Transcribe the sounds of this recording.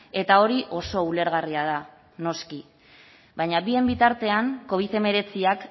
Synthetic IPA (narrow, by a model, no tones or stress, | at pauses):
e̞t̪ao̞ɾiʔo̞so̞ule̞ɾɣariað̞a | no̞ski | βaɲaβie̞mbit̪aɾt̪e̞aŋko̞β̞iθe̞me̞ɾe̞t͡siak